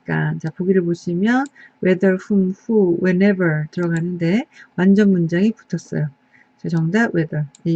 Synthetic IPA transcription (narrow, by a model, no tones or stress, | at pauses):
k͈a̰nt͡ɕapoɡiɾɯɭboɕʰimjʌnwe̞dʌɭɸumɸuwene̞bʌɭtɯɾʌɡanɯnde̞wand͡ʑʌnmund͡ʑaŋipu̥tʰʌs͈ʌ̰jo | t͡ɕʌt͡ɕʌŋdawe̞dʌɭi